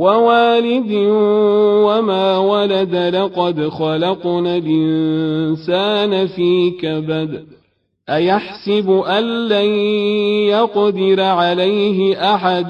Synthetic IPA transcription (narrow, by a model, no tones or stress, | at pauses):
wawaːlɪd̪ɪ | wamaːwalad̪lɑqɑd̪xɑlɑqnalʔɪnnsaːnafiːkabad̪ | ʔajaħsɪbʔanːa | jaqd̪ɪɾaʕalajɦɪʔaħad̪